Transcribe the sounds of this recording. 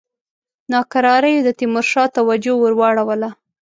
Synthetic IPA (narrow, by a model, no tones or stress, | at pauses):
nɑkaɾɑɾəjod̪ət̪ɪmʊɾʃɑt̪awad͡ʒowəɾwɑɽawəla